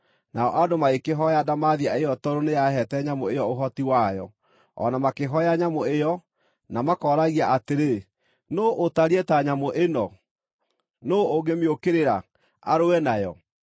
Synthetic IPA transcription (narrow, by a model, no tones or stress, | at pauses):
naɔʔadomaekeɦɔjadamaðiaejɔtɔɾonejaɦɛtɛɲamoejɔoɦɔtiwajɔ̰ | ɔ̰namakeɦɔjaɲamoejɔ | namakɔɾaɣiaʔateɾe | noʔːtaɾɛtaɲamoʔenɔ | nooɡemeokeɾeɾa | a̰ɾoɛnajɔ